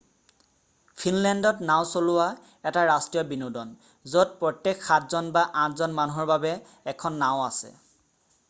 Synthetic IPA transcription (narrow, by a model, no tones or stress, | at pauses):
pʰinlɛndɔtnaw̃solʊa | ɛtaɹastɹijɔbinudɔn | zot̚pɹɔtːekxatʰzɔnbaʔãtʰzɔnmanuɦɔɹbabɛ | ɛkʰɔnːaʊ̃asɛ̰